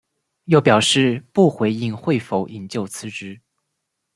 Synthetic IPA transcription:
jo˥˩ʊpjɑ˨˩ʊʂɻ̩˥˧pu˥˩xwe˧˥ɪi˥˧ŋxwe˥˩ɪfo˧˥ʊʔi˨˩ŋt͡ɕjo˥˩ʊt͡sʰɹ̩˧˥ʈ͡ʂɻ̩˧˥

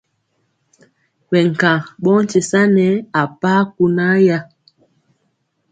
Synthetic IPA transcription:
wɛ˨ŋ̩˨kã˨ɓɔ˦n̩˦t͡ʃe˨sa˦nɛ˦a˨pa˦ku˨na˦ja˦

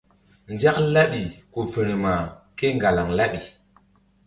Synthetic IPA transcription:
nd͡ʒa˦kla˦ɓi˨ku˨fə˨nə˨ma˨ | ke˦ŋɡa˨la˨ŋla˦ɓi˨

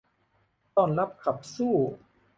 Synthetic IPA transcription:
t̪ɔː˥˩nla˦˥p̚kʰa˨˩p̚suː˥˩

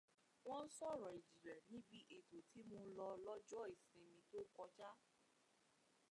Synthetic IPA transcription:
w̃ɔ̃˦n̩˦sɔ˦˨ɾɔ˨i˨d͡ʒi˨ɾɛ˨nĩ˦bi˦ʔe˨to˨tʰi˨˦mo˧lɔ˧lɔ˦d͡ʒɔ˦e˨sĩ˧mĩ˧to˦kɔ˧d͡ʒa˦

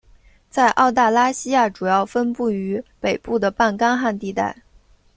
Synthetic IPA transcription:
t͡sa˥˧ɪʔɑ˥˧ʊt̪a˥˩la˥ɕi˥ja˥˩ʈ͡ʂu˨˩jɑ˥˩ʊfə˥npu˥˩y˧˥pe˨˩ɪpu˥˩d̪ə˩pa˥˩nkɑ˥ŋxa˥˧nt̪i˥˧t̪a˥˩ɪ

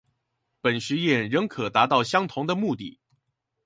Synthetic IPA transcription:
pə˨˩nɕy˧˥jɛ˥˩nɻə˧˥ŋkʰɤ˨˩t̪a˧˥t̪ɑ˥˩ʊɕjɑ˥ŋt̪ʰʊ˧˥ŋd̪ə˧mu˥˧t̪ḭ˥˩

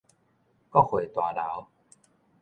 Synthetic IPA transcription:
kɔ˥˨xwe˨˩t̪wa˨la˨˦w

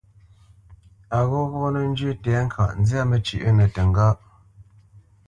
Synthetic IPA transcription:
a˨ɣɔ˦ɣɔ˦nə˨n̩˦d͡ʒʉ˦tɛ˨˦ŋ̩˦kʰa̰˨ʔn̩˦d͡zja˦mə˦˨t͡ʃʉ̰˨ʔə˦nə˨tə˨ŋ˦ɡa˦ʔ

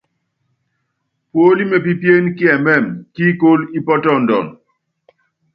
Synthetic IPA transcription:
pwo˦li˦me˨p̬i˦pje˦nki˦ɛ˨mɛ˦˨mki˦ko˦li˦pɔ˦tɔ˦˨n̩˨dɔ̰˨n

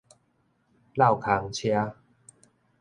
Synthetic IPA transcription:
la˥˨wkʰa˨˦ŋt͡ɕʰja˦

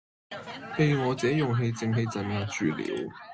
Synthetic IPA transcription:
pe˨˧jŋɔː˨˧t͡sɛː˨˥jʊ˨˩ŋɦe˧jt͡sɪ˨˧ŋɦe˧jt͡sɐ˨˩njaː˨˧t͡ʃyː˨˩lḭː˨˥w

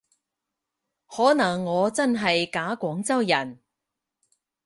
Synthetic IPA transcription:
hɔː˨˥nɐ˨˩ŋːɔː˨˧t͡sɐ˥nɦɐ˨jkaː˨˥kʷɔː˨˥ŋt͡sɐ˥wjɐ˨˩n

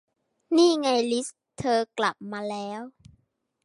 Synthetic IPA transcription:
niː˥˩ŋa˧jli˦˥s | t̪ʰɤː˧kla˨˩p̚maː˧lɛː˦˥w

